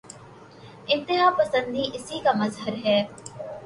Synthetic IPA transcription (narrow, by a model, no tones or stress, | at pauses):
ɪ̃nt̪ɪɦaːpəsə̃nd̪iːʔɪsiːkaːməzɦəɾɦɛː